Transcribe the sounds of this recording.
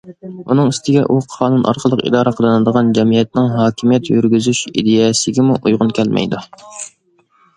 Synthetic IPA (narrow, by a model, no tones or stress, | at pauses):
unɨŋist̪ɪɡʲɛʔuqʰɑːnunʔɑ̰ɾqʰəlˠəqḭd̪ɑːɾəqʰəlˠɨnɨd̪əʁɑnd͡ʒɛmijɛt̪̚nɪŋɦɑːkʲʰimijɛt̪jyɾɡʲyzyʃḭd̪ejɛsɪɡʲɛmuʔujʁʊnkʲʰɛlmɛ̰jd̪u